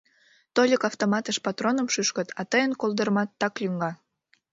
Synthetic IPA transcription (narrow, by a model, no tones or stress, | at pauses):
t̪olʲəkɑft̪omɑt̪əʃpɑt̪ronəmʃyʃkət̪ʰɑt̪əjənkolˠd̪ərmɑt̪ːɑklʲyŋɡɑ